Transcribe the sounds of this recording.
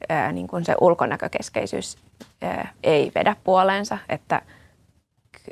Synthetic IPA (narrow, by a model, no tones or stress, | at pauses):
əːniːŋkunsḛʔulkonækøkeskeisy̰ːs | ə̰ːeiʋḛdæppuoleːnsɑḛt̪ːæ̰